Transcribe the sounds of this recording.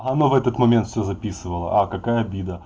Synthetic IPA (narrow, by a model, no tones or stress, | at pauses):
ɐnovɛt̪ət̪mɐmʲent̪fsʲozɐpʲisɨvəlˠə̰ʔakɐkajəɐbʲid̪ə